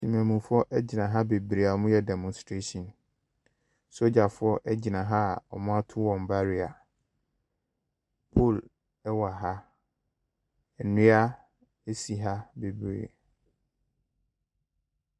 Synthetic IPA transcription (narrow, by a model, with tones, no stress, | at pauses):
sĩ˨mæ̃˨mũ˨fʊ˦ɔ˦ʔɛ˦d͡ʑɪ˨nã˨ɦa˦be˨bɾe˨a˨mʊ̃˦jɛ˦˨dɛ˨mɔ̃˨nstɾe˦sɔ̃˨n | so˦d͡ʑa˨fʊ˨˦ɔ˦ʔɛ˦d͡ʑɪ˨nã˨ɦa˦˨ɔ̰˨mʊ̃˦a˦tʰʊ˦wɔ̃˨m˨ba˦ɾɪ˨a˨ | pʰo˦˨l | ɛ˦wa˨ɦa˦ | ɛ˨nʊ̃˦a˦ | e˦si˨ɦa˦be˨bɾḛ˨